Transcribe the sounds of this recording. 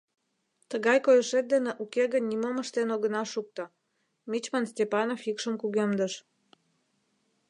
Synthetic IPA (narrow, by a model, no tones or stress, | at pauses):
t̪əɣɑjkojəʃet̪̚d̪eneʔukeɣənʲːimoməʃt̪enoɣənɑʃuk̚t̪o | mit͡ɕmənst̪ʲepɑnofikʃəmkuɣemd̪əʃ